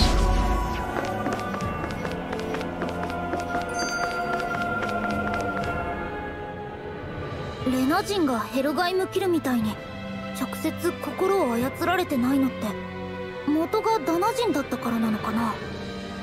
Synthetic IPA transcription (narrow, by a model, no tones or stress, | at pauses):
ɾe̞naʑĩŋɡahe̞ɾɯ̟ɡaimɯ̟kʲiɾɯ̟mʲit̪aiɲ̟i | t͡ɕo̞kɯ̟̥se̞t͡sɨko̞ko̞ɾo̞ːajat͡sɨɾaɾe̞t̪e̞naino̞t̪ːe̞ | mo̞t̪o̞ɡad̪anaʑĩnd̪at̪ːakaɾanano̞kana